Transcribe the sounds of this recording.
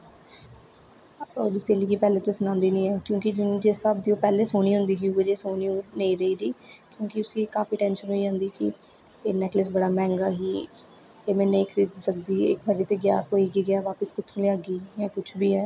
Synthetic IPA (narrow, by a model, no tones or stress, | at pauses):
oːɾɪseːliːkiːpɛːleːt̪eːsənãːnd̪iːnĩːɛːkjõːkɪd͡ʒɪnĩːd͡ʒesaːb̚d̪iːoːpɛːleːsoːniːɦʊ̃nd̪iːɦiːʊd͡ʒeːsoːniːoːneĩːɾəiːɾiːkjõːkɪʊsĩːkaːfiːʈɛ̃ːnʃənɦoːiːd͡ʒãːnd̪iːkɪ̰ | eːnɛːkləs̬bəɽaːmɛ̃ːŋɡaːɦiː | eːmɛ̃ːnẽːkʰɾid̪sək̚d̪iːɪ̰kbəɾiːt̪eːɡja̰ːɾkoːiːkiːɡɪaːʋaːpəskʊt͡ʃʰːleːaɡiːjãːkʊt͡ʃʰbiːɦɛː